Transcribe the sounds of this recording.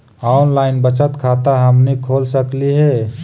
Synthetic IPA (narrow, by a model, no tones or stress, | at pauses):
aʊnlaːɪnbət͡ʃət̪kʰaːt̪aɦəmnikʰoːlsəkliɦɛ